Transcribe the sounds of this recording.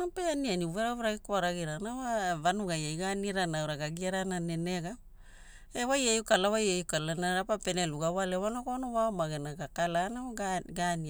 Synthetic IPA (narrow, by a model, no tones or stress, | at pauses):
apeanianiuveɾaβeɾaɡikoaɾaɡiɾanawavanuɡajajɡaniɾanawɾaɡaɡiaɾananeneɡap | ewajejukalawajejukalanaɾapape̞neluɡawalewanokonowaomaɡenaɡakalanaaɡaɡani